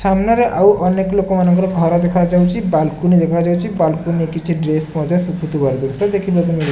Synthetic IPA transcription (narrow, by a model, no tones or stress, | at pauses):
samnaɾeʔawʔɔneklokomanɔŋkɾɔɡʱɔɾɔd̪ekʰad͡ʒawt͡ʃʰibalkunid̪ekʰad͡ʒawt͡ʃʰibalkunikit͡ʃʰiɖɾesmɔd̪ʱjɔsukʰut̪ubaɾd̪uɾsɔd̪ekʰibot̪̬umi